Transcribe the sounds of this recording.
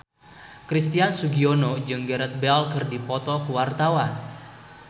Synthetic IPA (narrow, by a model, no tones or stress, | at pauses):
kɾist̪iansuɡionod͡ʒɨŋɡəɾɛt̪̚bɛlkɨrdipɔt̪ɔkəwart̪awan